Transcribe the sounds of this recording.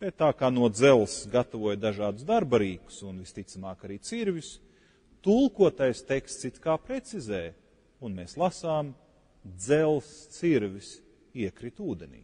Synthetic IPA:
b̥et̪ːaːkaːnuɔd̪zɛlˠsɡat̪avuɔjd̪aʒaːd̪usd̪aɾbɐɾiːku̥sunvist̪it̪samaːkaɾiːt̪siɾvʲis | t̪ulˠkuɔt̪ajst̪ekst̪sit̪kaːpɾet̪sizeːj | unmeːslˠasaːm | d̪zɛlˠst̪siɾʋʲis | iɛkɾit̪uːd̪enʲḭː

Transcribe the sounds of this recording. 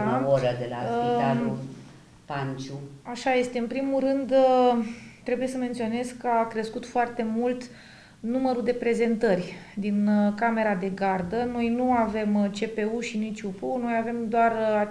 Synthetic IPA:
aoɾəd̪ela̰iau | pant͡ʃuaʃaje̞st̪e̞ɨnpɾimuɾɨnd̪ | t̪ɾe̞buje̞səment̪sio̞ne̞zkːəakɾe̞skut̪foart̪e̞mult̪ | numəɾud̪e̞pɾe̞ze̞nt̪ərʲd̪inkame̞ɾad̪e̞ɡard̪əno̞jnuave̞mt͡ʃe̞pe̞uʃinit͡ʃʲupuno̞jave̞md̪oara

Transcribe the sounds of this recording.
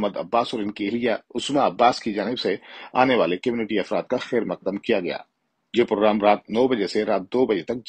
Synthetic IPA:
məd̪ɐ̰bːaːsɔːɾɪnkelijaʊsmaɐbːaːskid͡ʒaːnɪbsea̰ːneʋaːlekɐmjuːnɪʈiɐfɾaːt̪̚kaxɛːɾmɐq̚d̪əmkijaɡɐja̰ː | jeːpɾoːɡɾaːmɾaːt̪̚nɔːbɐd͡ʒeseɾaːt̪̚d̪oːbɐd͡ʒet̪ɐk̚

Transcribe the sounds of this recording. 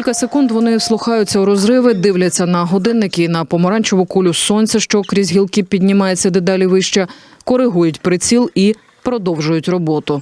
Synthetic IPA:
kʲilʲkɐsekund̪ʋɔnɪwslˠʊxɑjʊt͡sʲːɐwɾɔzɾɪʋɪd̪ɪwlʲɐt͡sʲːɐnɐɦɔd̪ɪnːɪkɪnɐpɔmɔɾɑnʲt͡ʃɔʋʊkulʲʊsɔnʲt͡sʲɐʃt͡ʃɔkɾʲizʲɦʲilˠkɪpʲidʲnʲɪmɑjet͡sʲːɐd̪ed̪ɑlʲiʋɪʃt͡ʃɛ | kɔɾɪɦujʊtʲpɾɪt͡sʲilˠi | pɾɔd̪ɔwʒʊjʊtʲrɔbɔt̪ʊ

